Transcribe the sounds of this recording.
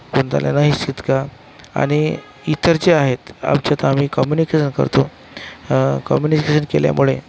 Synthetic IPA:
poɳt̪a̰lja̰naɦisid̪ka | a̰ɽ̃i | it̪əɾt͡ɕeaɦet̪a̰mt͡ɕjat̪am̤iːkɔmjunikeɕənkə̰ɾt̪o | kɔmjunikeɕənkelja̰muɭe

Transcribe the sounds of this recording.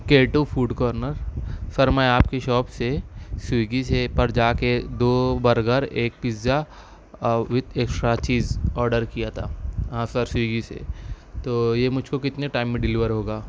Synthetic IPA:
keːʈufʰuːɖkɔːɾnəɾsɐɾmɛ̃aːpkeʃɔːpsesiɡisepɐɾd͡ʒaːked̪oːbɐɾɡəɾeːk̚piza | ʋɪt̪ʰeːksɾat͡ʃiːzɔːɾɖəɾkijat̪ʰa̰ːãsɐɾsiːɡisḛ | t̪oːjemʊd͡ʒʱkokɪt̪neʈaːɪmːẽɖɪlɪʋəɾɦoːɡaː

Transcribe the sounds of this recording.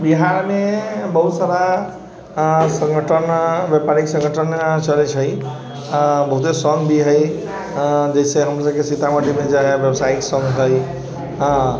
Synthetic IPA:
biɦaɾmebəɦut̪saɾa | sə̃ŋɡəʈʰənbjepaɾiksə̃ŋɡʱəʈʰənt͡ʃəlet͡ʃʰəj | bəɦut̪esəŋɡbiɦəj | d͡ʒəiseɦəmɾasəbkesit̪aməʈimed͡ʒaɦebjəbsaiksə̃ŋɡɦəj | ɦ

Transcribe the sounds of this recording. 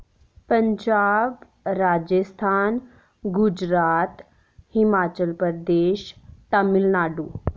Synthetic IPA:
pəɲd͡ʑaːb | ɾaːd͡ʒəst̪ʰaːn | ɡud͡ʑɾaːt̪ | himaːt͡ɕəlpəɾd̪eːʃt̪əmilnaːɖuː

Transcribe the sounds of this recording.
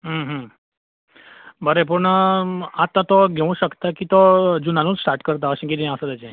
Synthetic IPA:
ɦəɦə | bəɾep̬uɳəat̪ãt̪oɡʱeũʃəkt̪akit̪od͡ʒunanũd͡ʒsʈaɾʈkəɾt̪̬aəʃẽked̪inasəd̪ad͡ʒe

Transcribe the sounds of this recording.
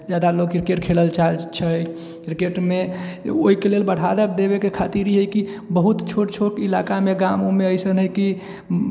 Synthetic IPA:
d͡ʒad̪alokiɾkeʈkʰeləlt͡ʃalt͡ʃʰəj | ɾkeʈmeoikelelbəɽ̤ad̪ɛpd̪ebekekʰat̪iɾiɦəjkibəɦut̪t͡ʃʰoʈt͡ʃʰoʈilakameɡamomeəɪsənɦəjki

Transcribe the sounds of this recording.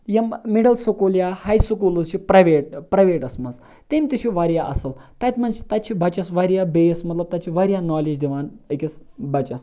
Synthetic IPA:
jɐmmiɖəlsokoljahajsukuluzʃʰipɾaʋeʈ̚pɾajʋeʈɐsmɐz | t̪emʲt̪iɕʰiʋaɾjaʔɐ̰səlt̪at̪mənt͡ʃi̥t̪at̪t͡ʃʰibat͡ʃasʋaɾjabejsmɐt̪ləb̚t̪at͡ʃʰiʋaɾjanɔlid͡ʑd̪iʋanekʲesbɐt͡ɕɐs

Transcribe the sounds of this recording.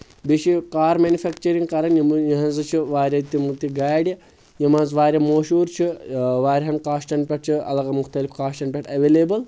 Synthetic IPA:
biʃikaːɾmeːnʲufɛk̚t͡ʃɐɾiŋɡkɐɾɐnjimjɐɦɐ̃nzɨt͡ʃʰiʋaːɾʲɐt̪ːimut̪iɡaːjɖʲ | jimanzʋaːɾʲɐmoːʃuːɾt͡ʃʰiʋaːɾʲɦɐnkaːʃʈɐnpʲɐʈ̚t͡ʃʰiɐ̰lɐɣɐmuxt̪ɐlifkaːʃʈɐnpʲɛʈɐʋeːleːbɐl

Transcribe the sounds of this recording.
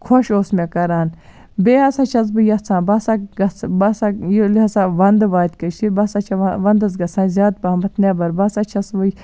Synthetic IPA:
kʰoʃoːsmekɐɾaːn | beːɐsat͡ʃʰɐs̬bɨjɐt͡sʰãːbɐsaɡɐt͡sbɐsajlɐsaʋɐnd̪ʋaːt̪kɐt͡ʃʰibɐsat͡ʃʰɐʋɐnd̪ɐs̬ɡɐt͡sʰãːzʲaːd̪̚paːmɐt̪neːbɐɾbɐsat͡ʃʰɐsbɨj

